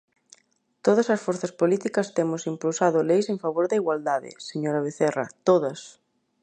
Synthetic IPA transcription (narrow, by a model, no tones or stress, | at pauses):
t̪oð̞ɐsɐsfoɾθɐspolit̪ikɐst̪emʊsimpulsaðʊlejsẽɱfaβ̞oɾðɐiɣwald̪aðɪ̰seɲoɾɐβ̞eθerɐ̰t̪oðɐs